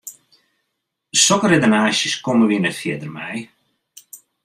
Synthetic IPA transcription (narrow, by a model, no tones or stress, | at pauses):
sɔkəredənaːʃjəskoməʋinɛtfjɪədərmɛ̰j